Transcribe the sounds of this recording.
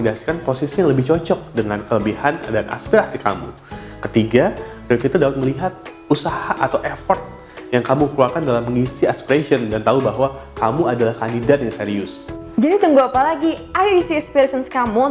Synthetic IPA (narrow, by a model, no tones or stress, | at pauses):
ədasi̥kanposisiaŋləbɪht͡ʃɔt͡ʃɔk̚dəŋankələbihandanʔa̰spiɾasika̰mṵ | kət̪iɡa | t̪kit̪adapat̪̚məliɦat̪̚ | usahaʔat̪awʔefɔrt̪̚ | jaŋkamukluakandalamːəŋisiaspiɾesiɔndant̪aubaɦwakamuadalahkandidat̪̚jaŋseɾiʊs | d͡ʒadit̪əŋɡuapalaɡiajisiɛkspiɾsənskamu